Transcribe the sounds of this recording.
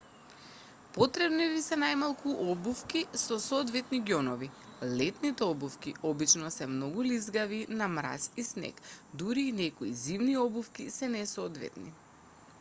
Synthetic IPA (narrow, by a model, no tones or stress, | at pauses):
pɔt̪ɾɛbnivisɛnajmalˠkuʔɔbufkisɔsɔːd̪vɛt̪niɡjɔnɔvilɛt̪nit̪ɛɔbufkiɔbit͡ʃnɔsɛmnɔɡulizɡavinamɾa̰sisnɛ̰kd̪uɾiːnɛkɔizivniɔbufkisɛnɛsɔːd̪vɛ̰t̪nḭ